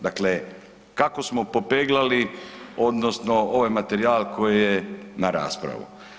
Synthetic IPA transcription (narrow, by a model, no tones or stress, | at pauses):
d̪akle | kako̞smopo̞peːɡlaliod̪no̞sno̞o̞ʋajmat̪e̞ɾiaːlko̞jijenaɾa̰ːspɾa̰ʋṵ